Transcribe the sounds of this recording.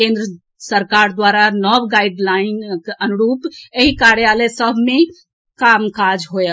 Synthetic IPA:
kẽːnd̪ɾə | səɾkaːɾd̪waːɾanɔbɡaɪɖlaːɪnkənʊɾuːpeɦikaɾjalesəbʱmẽ | kaːmkaːd͡ʒɦoja

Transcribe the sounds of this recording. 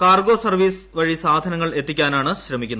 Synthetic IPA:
kaːrɡo̞ːsɐrʋiːs | ʋɐɻisaːd̪ʱɐnɐŋːɐɭe̞t̪ːikʲːaːnaːɳɨɕɾɐmikʲːunːɐ

